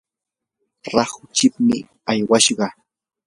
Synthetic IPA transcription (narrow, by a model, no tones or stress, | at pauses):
ɾɑhʊt͡ʃɪpmɪ̰ | ajwaʃɢɑ